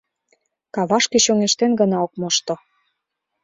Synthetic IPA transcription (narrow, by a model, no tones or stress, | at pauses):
kɑβɑʃkeɕoŋeʃt̪enɡə̆nɑok̚moʃt̪o